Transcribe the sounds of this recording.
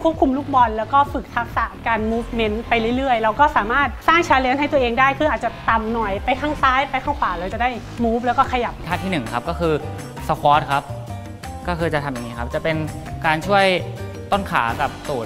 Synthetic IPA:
kʰu˥˩p̚kʰu˧mluː˥˩k̚bɔ˧nlɛː˦˥wkɔː˥˩fɯ˨˩k̚t̪ʰa˦˥k̚sa˨˦ʔkaː˧nmuː˦˥fme˦˥npa˧jlɯ˥˩jɾɯ˥˩əjɾa˧wkɔː˥˩saː˩˦maː˥˩t̪̚saː˥˩ŋt͡ɕʰaː˧˥li˧˥ənɦa˥˩jt̪ɐʔeː˧ŋdaː˥˩jkʰɯː˧ʔaː˨˩t̪̚t͡ɕa˨˩t̪a˧mnɔ˨˩jpa˧jkʰaː˥˩ŋsaː˦˥jpa˧jkʰa˥˩wkʰaː˨˩ɾa˧wt͡ɕa˨˩daː˥˩ʔi˨˩muː˦˥p̬̚lɛː˦˥wkɔː˥˩kʰa˧ja˨˩p̚tʰaː˥˩t̪ʰiː˥˩nɯ˨˩ŋkʰa˦˥p̚kɔː˥˩kʰɯː˧ | sa˧˥kʰɔː˦˥t̪̚kʰa˦˥p̚ | kɔː˥˩kʰɤː˧jt͡ɕa˨˩t̪ʰa˧mja˨˩ŋːiː˦˥kʰa˦˥p̚t͡ɕa˨˩pe˧n | kaː˧nt͡ɕʰu˥˩əj | t̪o˥˩nkʰa̰ː˩˦ka˨˩p̚suː˨˩

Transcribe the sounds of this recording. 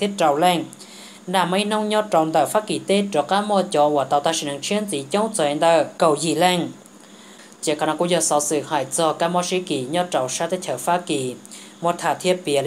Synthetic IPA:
t̪ʰi˦˥ət̚t͡ɕa˨wlɛ˧˩ŋ | naː˨˧˩mːə˧˦jnɔ˧wŋ͡mɲɔ˧t͡ɕɔ˨wnd̪əː˨˩faː˧˥ki˨˩t̪e˧˥ʈ͡ʂɔ˨˩kaː˧˥mɔ˧t͡ɕɔ˧waː˨˩t̪aː˨˩wt̪ʰa˧˩ʃi˧˨na˨˩ŋt͡ɕʰi˧˥ənzi˨˦t͡ɕɔ˧˦wŋ͡mt͡sɔ˨˧˨ɛ˧nd̪ə˧˩kə˨˩wzi˧˩lɛ˧ŋ | t͡ɕi˧˩kʰaː˧na˧ku˧˥zəː˧˩sɔ˧˦sɨ˨haː˨˩jt͡sɔ˧kaː˧˥mɔ˧ʃi˧ki˨˩ɲɔ˧t͡ɕɔ˨wʂaː˧˥t̪e˧˥t͡ɕʰəː˨˩faː˧˥ki˧˩˦ | mo˧˩t̪ʰaː˨˩t̪ʰi˧əpi˧l

